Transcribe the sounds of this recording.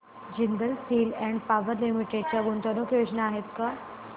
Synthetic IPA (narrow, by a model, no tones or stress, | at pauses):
d͡ʑind̪əlsiːlɛ̃ɳɖpaʋəɾlimiʈeɖ̚t͡ɕjaɡũnt̪ənokjod͡ʑnaːɦet̪ka